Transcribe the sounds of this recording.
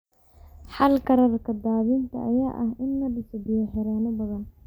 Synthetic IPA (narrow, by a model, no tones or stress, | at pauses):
ħɑlkʰɐɾɐrkʰɐd̪aːβɪnt̪ʰɐ̰ʔɐja̰ːʔɐhɪnːɐɖɪsɪbɪjɐħɛɾɛːnɐbɐðɐn